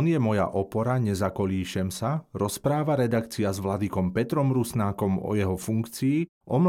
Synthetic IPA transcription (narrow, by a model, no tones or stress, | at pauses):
njɛmɔja̰ʔɔpɔɾaɲɛzakɔliːʃɛmsaɾɔspɾaːʋaɾɛd̪akt͡siazʋlad̪ikɔmpɛt̪ɾɔmɾusnaːkɔmɔ̰jɛɦɔfuŋkt͡siː | ʔɔm